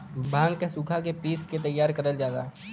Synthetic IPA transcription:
bãːŋɡkesʊkʰakepiːsket̪̬ɐjːaːɾkɐɾəld͡ʒaːd̪a̰ː

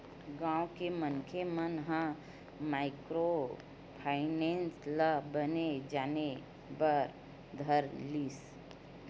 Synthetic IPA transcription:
ɡãːukemənkʰemənɦã | maːɪkɾo | pʰaɪneːnsləbəned͡ʒaːne | bəɾ | d̪ʱəɾliːs

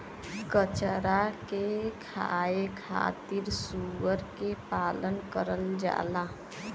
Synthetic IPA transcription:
kət͡ʃəɾakekʰa̰ekʰa̰t̪iɾsuʋəɾkepaːlənkəɾəld͡ʒa̰la

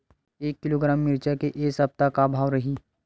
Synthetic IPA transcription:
eːkːɪloɡɾaːmːɪɾt͡ʃakeʔeːsɐp̚t̪akabʱaːʋɾɐɦiː

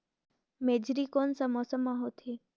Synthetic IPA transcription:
meːd͡ʒɾiːkoːnsamɔːsəmːãɦoːt̪ʰi

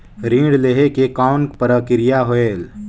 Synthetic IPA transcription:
ɾĩːɽleɦekekaːʊnkpəɾəkɪɾɪjaɦoeːl

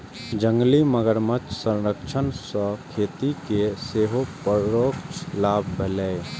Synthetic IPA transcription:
d͡ʒə̃ŋɡliməɡəɾmət͡ʃsə̃ɾəkʃʰənsɔ̃kʰeːt̪ikeseːɦopəɾɾoːkt͡ʃlaːbʱbʱələe

